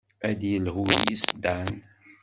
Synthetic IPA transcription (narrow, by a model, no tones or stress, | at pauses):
æd̪jəlɦʊɾjḭsəd̪an